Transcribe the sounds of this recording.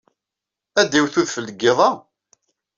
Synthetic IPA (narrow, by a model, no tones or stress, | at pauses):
æd̪iwθuðfəlːəɡːɪðˤɑ